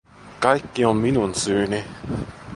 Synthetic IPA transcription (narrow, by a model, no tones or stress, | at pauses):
kɑjkːiomminunsyːni